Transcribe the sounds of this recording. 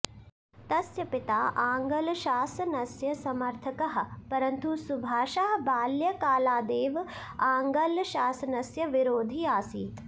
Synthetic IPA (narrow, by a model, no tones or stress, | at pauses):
t̪ɐsjɐpɪt̪aːʔaːŋɡɐlʃaːsɐnɐsjɐsɐmɐɾt̪ʰɐkɐɦɐ̆pɐɾɐnt̪usubʱaːʃɐɦɐbaːljɐkaːlaːd̪eːʋ | aːŋɡɐlʃaːsɐnɐsjɐʋiɾoːd̪ʱiaːsiː